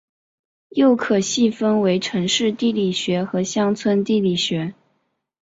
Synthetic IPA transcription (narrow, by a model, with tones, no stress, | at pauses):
jo˥˩ʊkʰɤ˨˩ɕi˥˩fə˥nwe˧˥ɪʈ͡ʂʰɤ˧˥ŋʂɻ̩˥˧t̪i˥˩li˨˩ɕɥɛ˧˥xɤ˧˥ɕjɑ˥ŋt͡sʰwə˥nt̪i˥˩li˨˩ɕɥɛ˧˥